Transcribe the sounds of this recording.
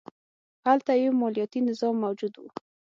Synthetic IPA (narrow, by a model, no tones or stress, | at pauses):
halt̪ajewmɔlijɑt̪inɪzɑmːawd͡ʒud̪wu